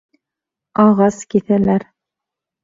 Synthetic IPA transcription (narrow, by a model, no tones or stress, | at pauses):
ɑʁɑskiθælæɾ